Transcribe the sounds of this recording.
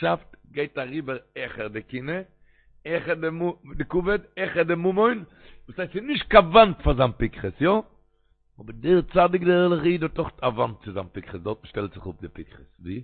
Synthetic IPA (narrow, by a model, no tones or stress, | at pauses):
ʃaftɡeɪtaʁiːbəɾɛχəʁdɪkɪnə | ɛχədɪmudɪkuvədɛχədɪmumɔɪn | vuːshaɪstsɪnɪʃt̚kavantfazanpɪkχəsjɔ | ɔbədɪʁt͡sadɪk̚dɪɛlˠəχiːdɔtɔχtʰavant̚t͡sɪzanpɪkχəsdɔʁtn̩ʃtɛlˠtz̥ɪχʊp̚dɪpɪkχəsviː